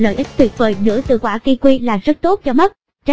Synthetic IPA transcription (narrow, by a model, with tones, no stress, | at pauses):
lə̰ː˧˩jʔi˦˥k̚t̪ʰwi˨˩t̚vəː˨˩jnɨ̰˧˥ət̪ɨ̰˧˩kwaː˧˩ki˧kwi˧laː˨˩zə˦˥t̚t̪o˦˥t̚t͡ɕɔ˧mə˦˥t̚ | t͡ɕa˧